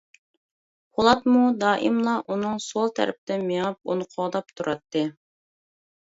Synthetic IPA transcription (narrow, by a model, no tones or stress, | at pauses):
holˠɑt̪mud̪ɑːʔimlˠɑʔunɨŋsolˠt̪ʰæ̰ɾɪp̚ɪd̪ɪnmeŋɨp̚o̰nqʰʊʁd̪ɑp̚t̪ʰuɾʔɑt̪ʰːɨ